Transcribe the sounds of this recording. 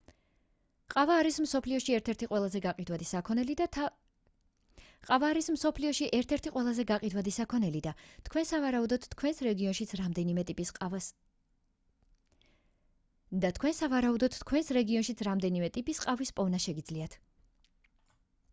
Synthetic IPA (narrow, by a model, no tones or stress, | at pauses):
qʼavaːɾismsɔpʰliɔʃiɛɾt̪ʰɛɾt̪ʰiqʼwɛlˠazɛɡaqʼid̪wad̪isakʰɔnɛlida | qʼavaːɾismsɔpʰliɔʃiʔɛɾt̪ʰɛɾt̪ʰiqʼwɛlˠazɛɡaqʼid̪wad̪isakʰɔnɛlid̪at̪ʰkʰwɛnsavaɾaud̪ɔt̪t̪ːkʰwɛnsɾɛɡiɔnʃit̪sʰɾamd̪ɛnimɛt̪ʼipʼia | d̪at̪ʰkʰwɛnsavaɾaud̪ɔt̪t̪ːkʰwɛnsɾɛɡiɔnʃit̪sʰɾamd̪ɛnimɛt̪ʼipʼisqʼavispʼɔvnaʃɛɡid̪zliat̪ʰ